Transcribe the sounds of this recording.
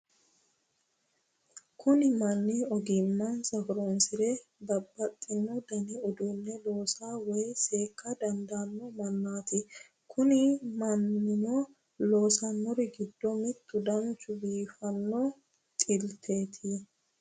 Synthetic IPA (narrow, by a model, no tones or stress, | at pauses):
kʰʊnɪmɐnːiɔɡɪmːɐnsɐfʊɾonsɪɾɛbɐbːɐt̪ʼːɪnːɔd̪ɐnɪʊd̪uːnːɛlo̞ːsaːwɛjse̞ːkːad̪ɐnd̪aːnːɔmɐnːaːt̪ɪ | kʰʊnɪmɐnːɪmɔ | loːsɐnːɔɾɪɡɪd̪ːɔmɪt̪ːʊd̪ɐnt͡ʃʼʊbiːfɐnːɔ | t̪ʼɪlt̪ʰe̞ːt̪ʰi